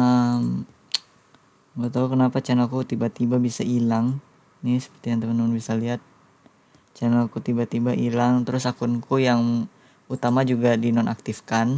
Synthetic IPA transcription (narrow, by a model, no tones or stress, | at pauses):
əm | mət̪aukənapat͡ʃanalkut̪ibat̪ibabisaʔilaŋ | nɪsə̥pərt̪ijaŋt̪əmanmnbisaliɦat̪̚ | t͡ʃanakut̪ibat̪ibaʔilaŋt̪əɾʊsakʊnkujaŋ | ut̪amad͡ʒuɡadinɔnʔak̚t̪ifkan